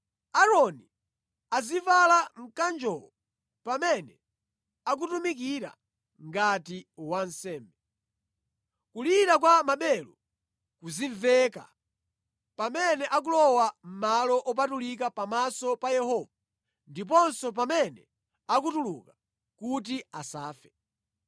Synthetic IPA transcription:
aɾɔni | azivalaŋ̩kand͡ʒɔlɔ | pamɛnɛ | ak̬utumik̬iɾa̰ | ŋɡatiwan̩sɛːmbɛ | kuliɾak̬wamaɓɛlu | kuziɱvɛka̰ | pamɛnɛʔak̬ulɔwam̩malɔʔɔp̬atulik̬apamasɔpajɛhɔːva | ndip̬ɔnsɔp̬amɛnɛ | ak̬utuluka | kut̬iasaːfɛ

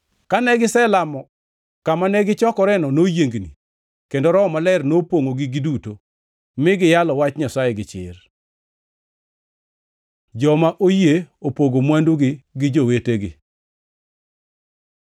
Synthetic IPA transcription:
kanɛɡɪsɛlamɔ | kamanɛɡɪt͡ʃɔkɔɾɛnɔnojeŋɡnḭ | kendoɾɔmalɛrnopoŋoɡɪɡiduto | mɪɡɪjalɔwat͡ʃɲasajɛɡɪt͡ʃɪ̰r | d͡ʒɔmaʔojeopoɡomwanduɡɪɡɪd͡ʒoweteɡɪ̰

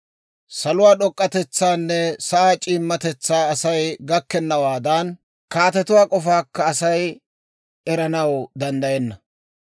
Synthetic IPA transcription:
sɐlʊwaːɗɔkʼːɐt̪ɛt͡sːaːnːɛsɐʔaːt͡ʃʼiːmːɐt̪ɛt͡sːaːɐsɐjɡɐkːɛnːɐwaːd̪ɐn | kaːt̪ɛt̪ʊwaːkʼɔfaːkːɐːsɐj | ɛɾɐnɐwd̪ɐnd̪ɐjɛnːɐ

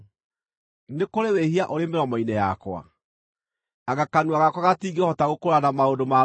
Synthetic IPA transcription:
nekoɾewehiaʔoɾemeɾɔmɔinɛja̰kwa̰ | aɣakanuaɣakwaɣatiːɡehɔtaɣokoɾanamaodoma

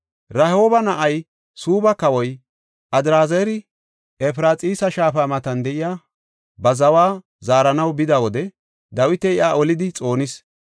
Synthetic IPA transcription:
ɾɐho̞ːbɐnɐʔɐj | suːbɐkɐwɔj | ʔɐd̪ɾaːzeːɾɪ | ɛfɪɾaːt͡sʼiːsɐʃaːfaːmɐt̪ɐnd̪ɛʔɪjaː | bɐzɐwaː | zaːɾɐnɐwbɪd̪ɐwɔd̪ɛ | d̪ɐwɪt̪ɛɪʔaːʔɔlɪd̪ɪt͡sʼo̞ːnɪs

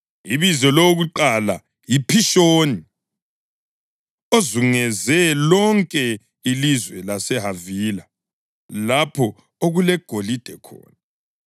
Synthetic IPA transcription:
iβizɛlooɣuǃala̰ | jipʰiʃoːni | ozuŋɛzɛlɔŋkʼɛ | ilizwɛlasɛɦavila | lapʰɔ | oɣulɛɡ̥ʱolid̥ʱɛkʰɔ̰ːna

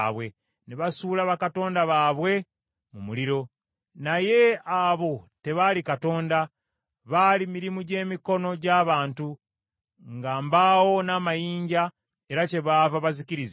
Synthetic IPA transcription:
βwe̞ | neβasuːlaβakato̞ːndaβaːβwe̞ | mumuliɾo̞ | naje̞aβo̞te̞βalikato̞ːnda | βalimiɾimuɟe̞ːmiko̞no̞ɟaːβaːntu | ŋɡaːmbawo̞naːmajiːɲɟa | e̞ɾace̞βaːvaβaziciɾiza

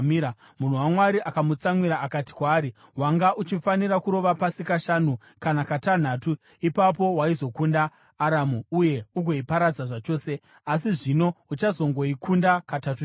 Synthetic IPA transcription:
miɾa | mun̤uwamwaɾiʔakamut͡samwiɾaːkati̥kwaːɾi | waŋɡaʔut͡ʃifaniɾakuɾo̞ʋapasikaʃanu | kanakatan̤aːtu | ipap̬o̞waizo̞kundaː | ɾamuuje̞uɡʱo̞ipaɾad͡zaʐat͡ʃo̞ːse̞ | asiʐino̞ut͡ʃazo̞ŋɡo̞ikʰundakatatu

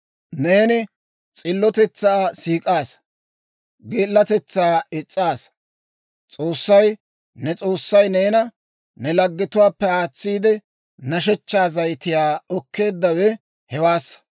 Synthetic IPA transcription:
ne̞ːnɪ | t͡sʼɪlːɔt̪ɛt͡sːaːsiːkʼaːs | ɡeːlːɐt̪ɛt͡sːaːɪt͡sʼːaːs | t͡sʼoːsːɐj | nɛt͡sʼoːsːɐjneːnɐ | nɛlɐɡːɪt̪ʊwaːpːɛaːt͡sːiːd̪ɛ | nɐʃ̬ɛt͡ʃːaːzɐjt̪ɪjaːɔkːe̞ːd̪ːɐwɛ | hɛwaːsɐ

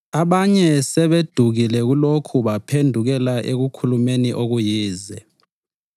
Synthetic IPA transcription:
aɓaɲɛsɛɓed̥ʱuk̬ilɛk̬ulokʰuɓapʰendʱuk̬ɛlaʔek̬ukʰulumeniʔok̬ujiːzɛ

